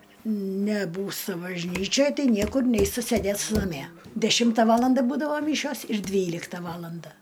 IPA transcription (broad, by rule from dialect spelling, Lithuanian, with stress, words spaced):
nʲɛˈbuːstɐ bɐʒʲˈnʲiːt͡ʃʲoːj ˈtɐɪ ˈnʲiɛkʊr ˈnʲɛɪstɐ ˈsʲeːdʲeːstɐ nɐˈmʲiɛ dʲɛˈʃʲɪmtɐ ˈʋɑːlˠɐndɐ ˈbuːdɐʋɐ ˈmʲiːʃʲoːs ɪr ˈdʲʋʲiːlʲɪktɐ ˈʋɑːlˠɐndɐ